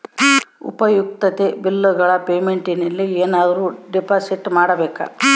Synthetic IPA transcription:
ṵpɐjuk̚t̪ɐt̪e̞bilːuɡɐɭɐpeːmeɳʈinɐlːieːnaːd̪ɐɾuːɖipaːsiʈmaːɽɐbɛːkɐ̰

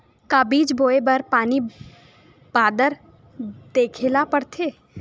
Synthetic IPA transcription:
kaːbiːd͡ʒboːebəɾpaːni | b̥aːd̪əɾ | d̪̥eːkʰeːlapɐɽt̪ʰeː

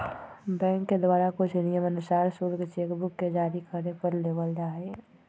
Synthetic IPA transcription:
bɛ̃ːŋkːed̪waːɾakʊt͡ʃʰnɪjəmənʊsaːɾsuɾkt͡ʃeːkbʊkːed͡ʒaːɾikəɾnepəɾleːʋəld͡ʒaːe

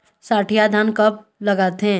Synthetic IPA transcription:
saːʈʰijad̪ʱaːnkɐp̚ | lɐɡaːt̪eɦɛ̃

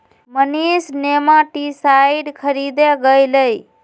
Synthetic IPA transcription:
mənisnemãʈisajɖkʰəɾid̪eɡəjləj

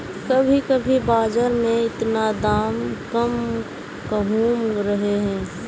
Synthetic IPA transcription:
səbʱikəbʱibaːd͡ʒəɾmẽɪt̪nad̪aːmkəm | kəɦuːmɾəɦeɦɛ̃ː

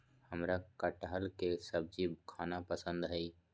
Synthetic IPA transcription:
həmɾakəʈɦəlkesəb̚d͡ʒibkʰaːnapəsə̃nd̪ɦɛi

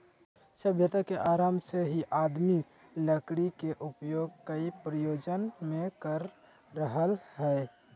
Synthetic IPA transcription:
səbʱjət̪akeʔaːɾaːmseɦiʔaːd̪mi | ləkɽikeʔʊpjoːɡ̚kəipɾəjoːd͡ʒənmẽkəɾː | əɦəlhɛː

